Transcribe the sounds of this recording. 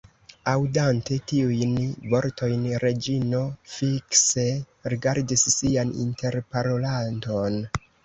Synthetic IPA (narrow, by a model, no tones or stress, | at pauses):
awdante̞tiujnvo̞ɾtʰo̞jnɾe̞d͡ʒino̞fikse̞ | ɾiɡaɾdisːianḭnte̞ɾpaɾo̞lanto̞n